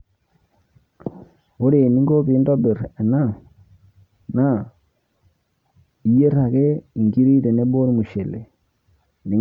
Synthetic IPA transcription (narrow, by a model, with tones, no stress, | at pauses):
o˦ɾe˨ni˦ŋɡo˦bi˨˦ndɔ˦be˨ɾɛ˨na˦˨ | na˦ | i˨je˦ɾa˨ke˦˨ŋɡi˦ɾi˦te˨ne˦bo˦ɾmu˨ʃe˨le˨ | ni˨